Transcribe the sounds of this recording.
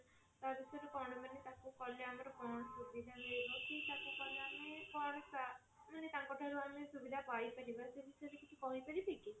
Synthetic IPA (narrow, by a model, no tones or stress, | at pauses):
t̪aɾbisɔjɾekɔɽɔbanet̪akukɔleameɾɔkɔnɔsubid̪ʱamebɔtit̪ʰakukɔleamekɔɾsa | manet̪aŋkɔʈʰaɾuamesubid̪ʱapajpaɾibasebisɔjɾekit͡ʃʰi̥kɔɦipaɾit̪ʰiki